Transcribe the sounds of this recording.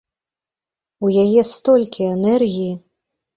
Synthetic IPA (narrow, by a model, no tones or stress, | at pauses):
wjajɛst̪ɔlʲkʲiɛnɛrɣʲiji